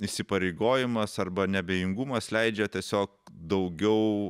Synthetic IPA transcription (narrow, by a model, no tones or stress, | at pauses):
isʲɪpɐɾʲeɪɡoːjɪmɐsɐrbɐnʲɛbʲeːjɪŋɡumɐslʲɛɪd͡ʒʲɛt̪ʲiɛsʲoːk̚d̪ɐʊɡʲɛʊ